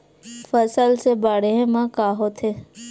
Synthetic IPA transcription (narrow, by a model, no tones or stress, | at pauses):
fəsəlsebaːɽeɦẽmãkaːɦot̪ʰe